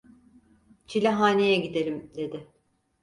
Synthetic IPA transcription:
t͡ʃʰilʲɛɦaːnʲejɛɟid̪e̞ɾʲimd̪e̞d̪ɪ

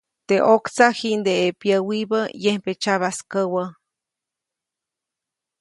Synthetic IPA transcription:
t̪eʔokt͡sahind̪eepjəwibəjempet͡ʃaβaskəwə

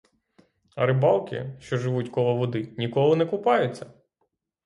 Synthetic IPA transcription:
ɐ̰ɾɪbɑlˠkʲɪ̰ʃt͡ʃɔʒɪʋutʲkɔlˠɐʋɔd̪ɪnʲikɔlˠʊnɛkʊpɑjʊt͡sʲːɐ

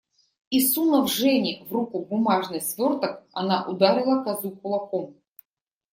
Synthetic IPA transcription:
isunɐvʐɛnʲɪvrukubʊmaʐnɨsvʲort̪ək̚ɐnaʔʊd̪aɾʲɪlˠəkɐzukʊlˠɐkom

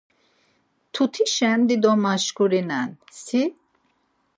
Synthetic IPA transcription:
t̪ʰut̪ʰiʃɛnd̪id̪ɔmaʃkuɾinɛnsi

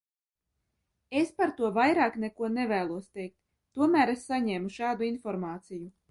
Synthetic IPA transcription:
espaɾt̪uɔvajɾaːknekuɔnevæːlˠuɔst̪ɛjk̚t̪ː | uɔmæːɾesːaɲeːmuʃɑːd̪uinfɔɾmaːt̪siju

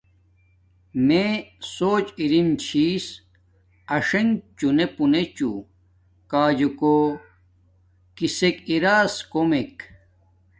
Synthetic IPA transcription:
mesoːt͡ɕiɾimt͡ɕʰiːs | ɐʂɐŋɡt͡ɕunepunet͡ɕṵ | kaːd͡ʑuko | kisekiɾaːskomek

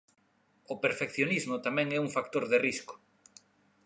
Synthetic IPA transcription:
opeɾfekθjonizmʊt̪amɛ̃ŋɛuŋfakt̪oɾðeriskʊ̥

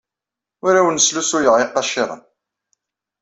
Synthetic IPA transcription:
ʊɾawənəslusujəʁeqːɑʃɪɾˤə̰n

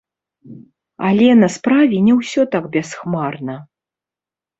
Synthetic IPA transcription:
alʲɛnɐspɾavʲɛnʲɛwsʲɔt̪aɡbʲɛsxmarnɐ

